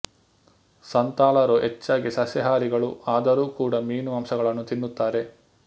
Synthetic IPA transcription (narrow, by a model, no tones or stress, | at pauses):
sɐnt̪aːlɐɾoʔet͡ʃːaːɡisɐsjɐɦaːɾiɡɐɭuaːd̪ɐɾuːkuːɽɐmiːnuɐmsɐɡɐɭɐnːut̪inːut̪ːaːɾe̞